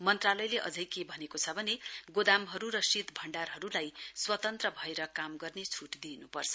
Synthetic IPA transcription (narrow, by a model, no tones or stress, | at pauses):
mʌnt̪ralʌjleʔʌ̰d͡zʌjkebʱʌnekot͡sʰʌbʱʌneɡod̪amɦʌɾuɾʌsit̪bʱʌɳɖarɦʌɾulajswʌt̪ʌnt̪rʌbʱʌeɾʌkamɡʌrnet͡sʰuʈd̪inupʌrt͡sʰʌ̥